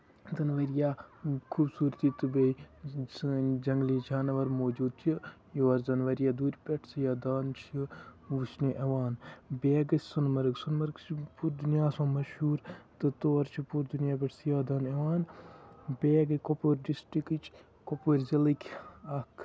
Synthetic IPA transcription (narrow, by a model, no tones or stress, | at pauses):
zɐnʋɐɾjaːkʰuːbsuːɾt̪iːt̪ɨbe | d͡ʒɐŋɡliːd͡ʒʰaːnɐʋɐɾmoːd͡ʒuːd̪̚t͡ʃʰi | joːɾzɐnʋɐɾijaːd̪uːɾʲpʲeʈʰsɨjaːd̪aːnt͡ʃʰiʋuʃniʔɐʋaːnbeːɡɐsʲsunmɐɾɡsunmɐɾkt͡ʃʰpuɾd̪unjaːsõːmɐʃhuːɾt̪ɨt̪oːɾt͡ʃʰipuɾd̪unjaːp̬ʲɐʈʰsjaːd̪aːnɐʋaːn | beːɡɨkopoːɾɖisʈɾikit͡ʃʰ | kopoːɾʲzɐlikʰʲɐkʰ